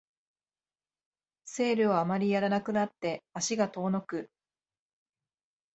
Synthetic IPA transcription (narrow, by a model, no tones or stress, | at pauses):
se̞ːɾɯ̟βaːmaɾʲijaɾanakɯ̟nat̪ːe̞aɕiɡat̪o̞ːno̞kɯ̟